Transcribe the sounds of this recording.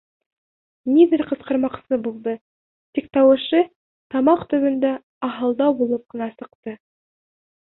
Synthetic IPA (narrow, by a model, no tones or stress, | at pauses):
nʲid̪ɘɾʲqɤ̆sqɤ̆ɾmɑqsɤbulˠd̪ɤ | t̪ik̚t̪ɑwɤ̆ʃɤ | t̪ɑmɑqt̪ɵ̆βɘ̆nd̪æ | ɑɦɑlˠd̪ɑwbulˠɤp̚qɤ̆nɑsɤ̆qt̪ɤ